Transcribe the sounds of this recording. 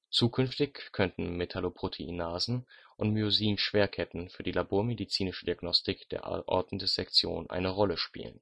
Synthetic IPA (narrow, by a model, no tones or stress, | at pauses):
t͡suːkʰʏnftɪçkʰœntn̩metʰalopʁ̥otʰeʔinaːzn̩ʔʊntmyoziːnʃv̥eːɐkʰɛtn̩fyːɐdiːlaboːɐmedit͡siːnɪʃədiaɡnɔstɪkd̥ḛːɐʔa̰ʔɔ̰ɐdn̩dəz̥ɛkt͡sjo̰ːnʔa̰ɪnəʁɔləʃpḭːlə̰n